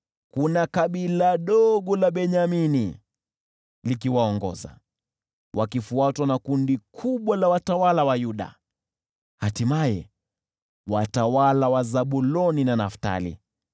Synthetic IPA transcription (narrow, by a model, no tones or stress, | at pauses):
kunakaɓilaɗɔɠɔlaɓɛɲamini | likiwaɔŋɡɔ̰za̰ | wakifuatwanakundikʰuɓwalawatawalawajuɗa̰ | hatimajɛ̰ | watawalawazaɓulɔninanafta̰lḭ